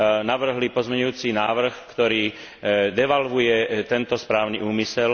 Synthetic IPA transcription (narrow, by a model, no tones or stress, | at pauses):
naʋr̩ɦlipɔzmɛɲujuːt͡sinaːʋr̩xkt̪ɔɾiː | d̪ɛʋalʋujɛt̪ɛnt̪ɔspɾaːʊnḭʔuːmisɛl